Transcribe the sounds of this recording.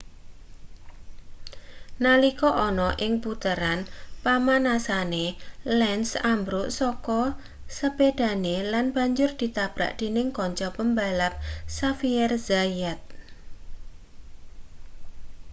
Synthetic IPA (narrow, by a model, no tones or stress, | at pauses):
nalikɔʔɔnɔʔɪŋput̪əɾanpamanasanelɛnsambɾʊʔsɔkɔ | səbed̪̥a̤nelanb̥a̤ɲd͡ʒʊrd̪̥i̤t̪ab̥ɾa̰ʔd̪̥e̤nɪŋkɔɲt͡ʃɔpəmbalap̚safiɛrzajɛt̪̚